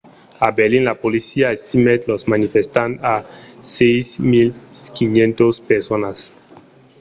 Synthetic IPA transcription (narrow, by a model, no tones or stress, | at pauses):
abeɾlĩnlapolisiaest̪imet̪losmanifest̪ãnasejsmilkinjẽnt̪ospeɾsonas